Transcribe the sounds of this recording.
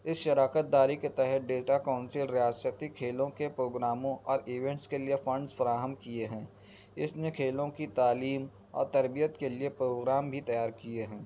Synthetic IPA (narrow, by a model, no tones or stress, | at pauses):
ɪsʃɐɾaːkət̪̚d̪aːɾiket̪ɛɦɛət̪̚ʰɖeːʈakaːʊ̃nsɪlɾɪjaːsət̪ikʰeːlõkepɾoːɡɾaːmõʔɔːɾiːʋɛ̃ɳʈskeliefɐ̃ɳɖzfɐɾaːɦəmkieɦɛ̃ː | ɪsnekʰeːlõkit̪aːliːm | ɔ̰ːɾt̪ɐɾbijət̪keliepɾoːɡɾaːmbʱit̪ɐjaːɾkieɦɛ̃ː